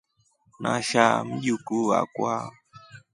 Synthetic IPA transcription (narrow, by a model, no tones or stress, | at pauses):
na̰ʃam̩ʄukua̰kwa